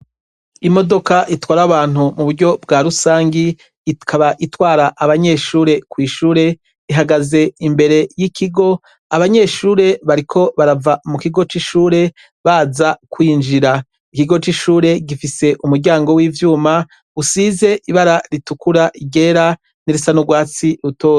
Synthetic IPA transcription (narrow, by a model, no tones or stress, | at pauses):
imo̞do̞kaʔitwaːɾaβaːn̥umuβuɾɟo̞bɡaɾusaːŋɡiː | kʰaβaʔitwaːɾaʔːβaɲe̞ʃuːɾe̞kwiːʃuːɾe̞ | iɦaɡaze̞imbe̞ɾe̞jikiɡo̞ | aβaɲe̞ʃuːɾe̞βaɾikʰo̞βaɾavamukiɡo̞t͡ʃiʃuːɾe̞ | βaːzakwiːnd͡ʒiɾa | ikiɡo̞t͡ʃiʃuːɾe̞ɡifise̞ʔumuɾɟaːŋɡo̞wiːvjuːma | usize̞ʔiβaɾaɾitukuɾaʔiɡe̞ːɾa | niɾisanoɡwaːt͡siɾutoː